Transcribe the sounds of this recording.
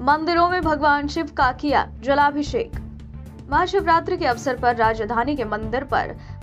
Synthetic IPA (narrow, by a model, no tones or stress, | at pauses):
mɐ̃nd̪ɪɾõmẽbʱɐɡʋaːnʃɪʋkaːkija̰ːd͡ʒɐlaːbʱiʃeːk | mɐaːʃɪʋɾaːt̪ɾəkeɐʋsəɾpɐɾːaːd͡ʒd̪ʱaːnikemɐ̃nd̪ɪɾpɐ̰ɾ